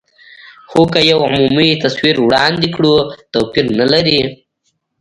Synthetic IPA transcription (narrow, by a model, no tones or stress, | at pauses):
xokajawʕʊ̰mumit̪aswiɾwɽɑnd̪ikɽut̪owpiɾnalaɾi